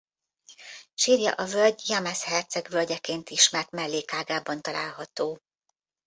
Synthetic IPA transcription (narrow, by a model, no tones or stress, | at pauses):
ʃiːrjɒ̰ʔɒvølɟjɒmashɛrt̪sɛɡvølɟɛkeːnt̪iʃmɛrt̪mɛlːeːkaːɡaːbɒnt̪ɒla̰ːlɦɒt̪oː